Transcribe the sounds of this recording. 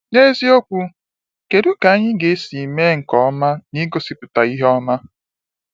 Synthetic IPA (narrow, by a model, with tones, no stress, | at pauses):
ne˦zi˦o˦kʷu˦ | ke˨ɾu˦ka˨a˦ɲɪ˦ɡe˨˦si˨me˦ŋ̩˨kɔ˦ma˦ni˦ɡo˨si˨pʊ˨ta˨i˦ɦɔ˦ma˦